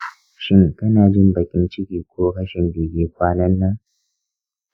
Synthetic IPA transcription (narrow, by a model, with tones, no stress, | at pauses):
ʃɪ˦ŋkɐ˦naː˨d͡ʒɪ˦mbɐ˨kʲɪ˦nt͡ʃɪ˦kʲiː˨kʷoː˦kɐ˦ʃɪ˨mbɪ˨ɡʲeː˦kʷaː˦nɐ˦nːa˦